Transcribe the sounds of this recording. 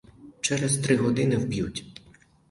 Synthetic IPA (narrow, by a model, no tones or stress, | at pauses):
t͡ʃɛɾɛzt̪ɾɪɦɔd̪ɪnɪwbʲjutʲ